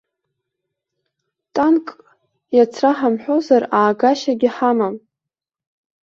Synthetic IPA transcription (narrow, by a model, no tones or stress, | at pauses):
tʼankʼ | jat͡sʰraħamħʷᶣo̞zaraːɡaʃaɡʲɪħamam